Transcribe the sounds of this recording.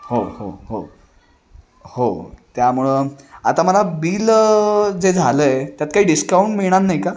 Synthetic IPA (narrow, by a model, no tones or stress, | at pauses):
hoho̰ho | hot̪jamuɭəat̪aməlabiːl | d͡zed͡zʱaləet̪jat̪̚kaɦiːɖiskauɳʈmiɭɽ̃anːajka